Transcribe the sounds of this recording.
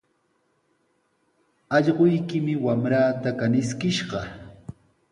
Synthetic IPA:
ɑʎɢojkɪmɪwamɾaːt̪akanɪskɪʃɢɑ

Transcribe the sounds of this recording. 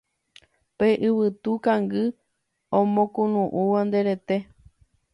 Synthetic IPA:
peʔɨβɨt̪ukãŋɡɨ | õmõkũnũʔuʋãnd̪eɾet̪e̞

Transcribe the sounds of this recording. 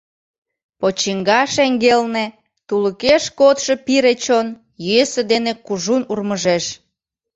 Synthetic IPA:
pot͡ɕiŋɡɑʃeŋɡelne | t̪uləkeʃkot̪ʃepiɾet͡ɕon | jyesed̪enekuʒunurməʒeʃ

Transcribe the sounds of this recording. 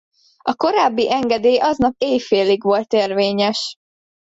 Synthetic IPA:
ɒko̞ɾaːbːiʔɛŋɡɛd̪eːjʔɒznɒp̚eːjfeːliɡʋo̞lt̪eːrveːɲɛʃ

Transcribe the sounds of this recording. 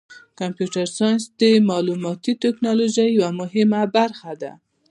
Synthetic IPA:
kampjuʈaɾsɑjnsd̪əmɑlumɑt̪it̪ɪknɑloʒajːawamʊɦɪmabaɾxad̪a̰

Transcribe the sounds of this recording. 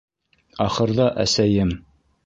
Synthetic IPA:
ɑχɤ̆ɾðɑʔæsæjɘm

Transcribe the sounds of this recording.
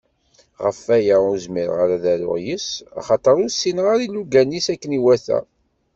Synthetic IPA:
ʁəfæjæuzmiɾʁaɾaðæɾʊ̰ʁjəsa̰χɑt̪ˤəɾusːinʁaɾilːuɡænisækːəniwæθæ̰

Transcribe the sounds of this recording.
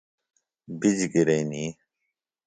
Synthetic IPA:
bid͡ʑɡiɾeːniː

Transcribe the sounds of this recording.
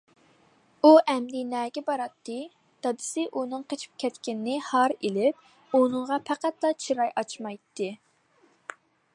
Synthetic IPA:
uʔɛmd̪ɪnɛːɡʲɛbɑɾɑt̪ʰːɨ | d̪̥ɑd̪ɨ̥sɨʔunɨŋqʰet͡ʃʰi̥p̚kʲʰɛt̪kʲɪnɪnɪhɑɾelɪp̚ | unɨŋʁɑpʰæqæt̪lˠɑt͡ʃʰiɾɑjʔɑt͡ʃmɑjt̪ʰːɨ

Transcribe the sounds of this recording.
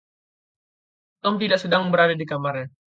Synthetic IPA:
əmt̪idaʔsədaŋbəɾadadikamaɾɛ

